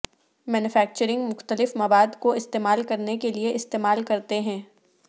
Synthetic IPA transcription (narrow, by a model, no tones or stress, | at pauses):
mɛːnʊfɛːk̚t͡ʃəɾɪ̃ŋɡmʊxt̪əlɪfmɐʋaːd̪koɪst̪eːmaːlkɐɾnekelieʔɪst̪eːmaːlkɐɾt̪eɦɛ̃ː